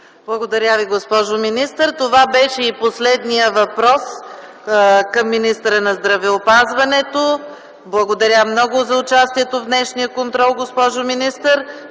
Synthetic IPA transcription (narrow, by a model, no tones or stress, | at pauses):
blˠɐɡod̪ɐɾʲaviɡospɔʒominist̪əɾt̪ovabɛʃɛiposlɛd̪nijəvɐpɾɔs | kɐmːinist̪əɾənɐzd̪ɾɐvɛopazvɐnɛt̪o | blˠɐɡod̪ɐɾʲamnɔɡʊzɐʊt͡ʃast̪iɛt̪ovd̪nɛʃnijəkont̪ɾɔlˠɡospɔʒominist̪əɾ